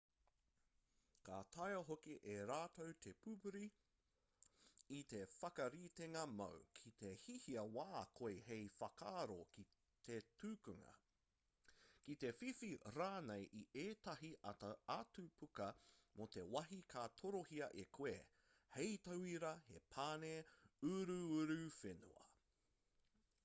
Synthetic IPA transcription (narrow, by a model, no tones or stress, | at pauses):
katʰɐjɐɦokiʔeɾaːt̪owt̪ʰepʰupuɾi | t̪e̞fɐkɐɾiːt̪eŋɐmɐ̰wkʰit̪ehihiɐwaːkʰojhejfɐkʰaːɾoki | t̪etʉːkuŋɐ̰ | kit̪e̞fifiɾaːnejʔiʔeːtɐɦiʔɐtɐatupʰukɐmot̪e̞wɐɦikʰat̪ʰoɾohiɐʔekʰweː | hejt̪ɐwiɾɐhe̞̰pʰaːneʉɾʉʉɾʉfenṵɐ̰